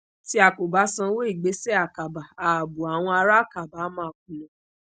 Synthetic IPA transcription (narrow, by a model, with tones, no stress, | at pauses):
ti˧˦a˨ko˨ba˨˦sã˧˦wo˦i˦˨ɡ͡be˨˦sɛ˦a˦˨ka˨ba˨a˨bu˨a˨w̃ɔ̃˧a˧ɾa˦˨ka˨ba˨˦mã˦˨k̚ũ˨nã˨˦